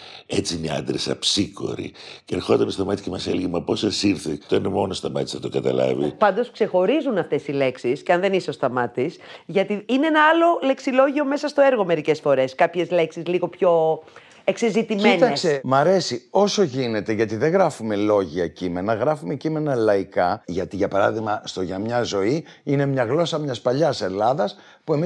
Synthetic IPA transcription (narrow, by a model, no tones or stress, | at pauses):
et͡siineɐ̰nd̪ɾesɐ̰psiko̞̰ɾḭceeɾxo̞d̪ɐmsoɐmɐt̪i̥cemɐselʝimɐpo̞sɐsiɾθet̪oinemo̞nost̪ɐmɐt̪isɐt̪oɡɐt̪ɐ̰lɐ̰vḭpɐnd̪oskse̞xo̞ɾizunɐft̪e̞sile̞ksisceɐnðe̞niso̞st̪ɐmɐt̪isʝɐt̪iineenɐɐlo̞le̞ksilo̞ʝio̞me̞sɐst̪oe̞ɾɣo̞me̞ɾice̞sfo̞ɾe̞skɐpçe̞zle̞ksizliɣo̞pço̞ | eksezit̪immient̪ɐsemɐɾe̞sio̞so̞ʝine̞t̪e̞ʝɐt̪iðeɣɾɐfume̞lo̞ʝiɐcime̞nɐɣɾɐfume̞cime̞nɐlɐikɐʝɐt̪iʝɐpɐɾɐðiɣmɐst̪o̞ʝɐmɲɐzo̞i | ine̞mɲɐɣlo̞sɐmɲɐspɐʎɐse̞lɐðɐs | pue̞mi